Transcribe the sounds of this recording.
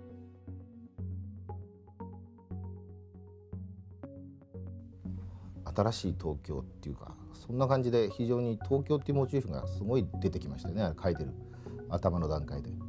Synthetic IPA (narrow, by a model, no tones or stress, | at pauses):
at̪aɾaɕiːt̪ʰo̞ːkʲo̞̰ːt̪ːe̞jɯ̟ːka̰sõ̞nːakãɲ̟d͡ʑid̪e̞çiʑo̞ːɲ̟it̪ʰo̞ːkʲo̞ːt̪ːeiɯmo̞t͡ɕɨːçɯ̟̃ŋɡa̰sɨɡo̞id̪e̞t̪e̞kʲimaɕi̥ajoneaɾekʰait̪e̞ɾɯ̟ | at̪amano̞d̪ãŋkaid̪e̞